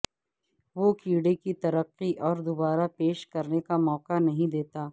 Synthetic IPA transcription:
ʋokiːɽekit̪ɐɾəqːiʔɔːɾd̪obaːɾapeːʃkɐɾnekamɔːqanɐɦĩd̪eːt̪aː

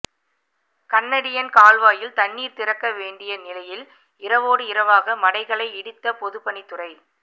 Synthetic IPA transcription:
kɐnːɐɽɪjɐnkaːlʋaːjɪlt̪ɐɳːiːɾt̪ɪrɐkːɐʋeːɳɖɪjɐnɪlɐjɪl | ɪɾɐʋoːɽɯɪɾɐʋaːɣɐmɐɽɐɪɣɐɭɐɪɛɽɯt̪ːɐpɔðɯpɐnɪt̪ːɯrɐɪ

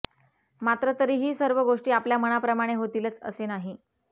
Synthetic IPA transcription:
mat̪ɾət̪əɾiːɦiːsəɾʋəɡoʂʈiːapljaməɽ̃apɾəmaɽ̃eɦot̪iːlət͡sə̰senaɦi

